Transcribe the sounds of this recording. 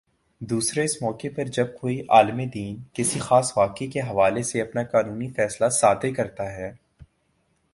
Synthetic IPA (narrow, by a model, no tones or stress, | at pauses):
d̪uːsɾeɪsmɔːkepɐɾd͡ʒɐb̚koːiʔaːlmed̪iːnkɪsixaːsʋaːkekeɦɐʋaːleseɐpnakaːnuːnifɛːslasaːt̪ekɐɾt̪aɦɛː